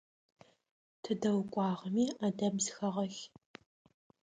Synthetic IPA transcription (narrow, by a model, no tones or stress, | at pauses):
tʰɨdɐwkʷʼɑːʁɐmiːadɐbzxɐʁɐx